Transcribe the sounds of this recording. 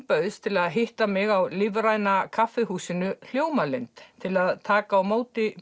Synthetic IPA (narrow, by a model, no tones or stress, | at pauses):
pœðʏst̪ʰɪlaðɦɪht̪amɪɣawlɪvɾajnakʰafɪhuːsɪnʏl̥joːwmalejnt̪t̪ʰɪlaðt̪ʰaːkaːwmoːwt̪ɪ